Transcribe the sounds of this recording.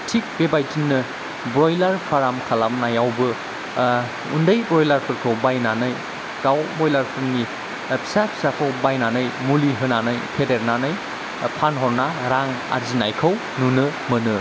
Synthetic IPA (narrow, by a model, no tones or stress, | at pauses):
tʰik̚bebajtinːɯ | bɾojlaɾpʰaɾamkʰalamnajawbɯ | undɯjbɾɔjlaɾpʰɯɾkʰɐwbajnanɯj | kawbojlaɾpʰɯɾni | pʰi̥sapʰi̥sakʰawbajnanɯjmuliɦɯnanɯjpʰedeɾnanɯj | pʰanɦɔɾnaɾaŋa̰ɾzinajkʰɐw | nunɯmɯnɯ